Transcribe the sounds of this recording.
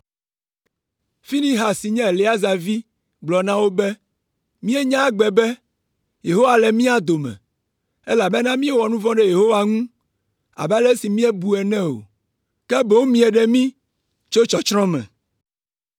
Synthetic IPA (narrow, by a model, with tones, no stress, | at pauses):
fi˦nĩ˦ɦa˨si˨ɲɛ̃˦˨le˦a˦za˨vi˦ | ɡ͡blɔ˨nã˦wo˦bɛ˦ | mĩ˦ɛ˦ɲã˦ɡ͡bɛ˨bɛ˦ | je˨ɦo˦wa˨lɛ˨mĩ˦a˨d̪o˨mɛ̰̃˨ | e˦la˨bɛ˦nã˦mĩ˦ɛ˦wɔ˨nũ˦vɔ̃˦ɖɛ˦je˨ɦo˦wa˨ŋũ˦ | a̰˨blɛ˦si˨mĩ˦ɛ˦bu˨ɛ˨nɛ̃˦o̰˨ | kɛ˦bo˨˦wmĩ˦ɛ˨ɖɛ˦mĩ˦ | t͡ʃo˦t͡ʃɔ˨t͡ʃɾɔ̃˦mɛ̰̃˨